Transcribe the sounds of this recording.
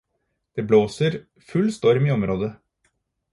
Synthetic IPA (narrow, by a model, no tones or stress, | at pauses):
d̪̥eːbloːsəɾ | fʉlst̪ɔɾmɪɔmɾoːd̪ə